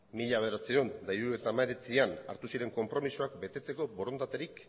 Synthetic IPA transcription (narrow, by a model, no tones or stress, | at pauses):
miʎaβeɾat͡siond̪ajɾue̞t̪aːmaeɾet͡siana̰ɾt̪usiɾe̞ŋko̞mpɾo̞misuakbe̞t̪e̞t͡se̞ko̞bo̞ɾo̞nd̪at̪eɾik